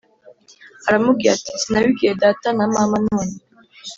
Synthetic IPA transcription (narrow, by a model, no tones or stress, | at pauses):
aɾamuɡjat̪i̥snawiɡed̪aːt̪anamamanoni